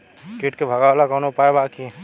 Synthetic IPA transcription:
kiʈkebʱəɡalakɔwnopaebaki

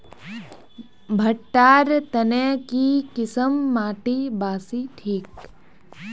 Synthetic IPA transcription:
bʱɐʈːaːɾt̪ɐnejkikɪsəmːaːʈibaːsiʈʰiːk

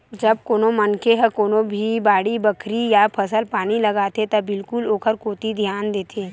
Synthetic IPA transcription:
d͡ʒɐb̚koːnomɐnkeɦəkoːnobʱibaːɽibɐkʰɾijapʰɐsəlpaːnilɐɡaːt̪et̪ɐbɪlkʊloːkəɾkoːt̪id̪ʱjaːnd̪eːt̪ʰeː

